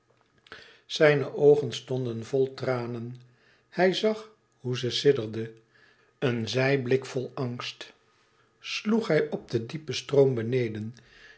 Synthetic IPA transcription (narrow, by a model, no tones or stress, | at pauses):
z̥ɛjnəʔowχənstɔndənvɔlˠtraːnən | hɛjzɑχ | huzəsɪdəɹdə | ənzɛjblɪkfɔlˠɑŋst | sluχɦɛjɔb̚dədipəstroʊmbənejdən